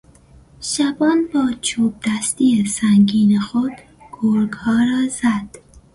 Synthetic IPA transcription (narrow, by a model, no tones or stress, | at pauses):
ʃæbɒːnbɒːt͡ʃʰoːb̚d̪æst̪iːesæŋɡiːnexod̪̥ | ɡ̥oɾɡhɒːɾɒːzæd̪̥